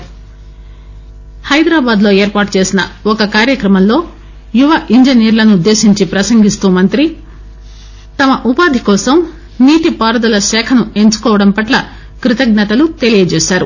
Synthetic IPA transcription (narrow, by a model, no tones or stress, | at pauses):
hɐjd̪ɾaːbaːd̪lo̞ːe̞ːɾpaːʈt͡ʃeːsinɐɔkɐkaːɾjɐkɾɐmɐmlo̞ː | juʋɐʔiɲd͡ʒɐniːɾlɐnud̪ːe̞ːʃiɲt͡ʃipɾɐsɐŋɡist̪uːmɐnt̪ɾi | t̪ɐmɐʔupaːd̪ʱikɔːsɐm | niːʈipaːɾɐd̪ɐlɐʃɛːkʰɐnue̞ɲt͡ʃu̥kɔːʋɐɽɐmpɐʈlɐ | kɾit̪ɐɡnɐt̪ɐlut̪e̞lijɐd͡ʒeːʃaːɾṵ